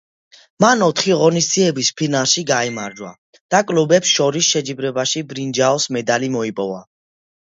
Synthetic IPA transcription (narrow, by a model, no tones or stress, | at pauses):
manɔt̪ʰχiʁɔnistd̪z̥iɛbispʰinalˠʃiɡaimaɾd͡ʒwa̰ | d̪̥akʼlubɛpsʃɔɾisʃɛd͡ʒibɾɛbaʃibɾind͡ʒaɔsmɛd̪alimɔipʼɔva̰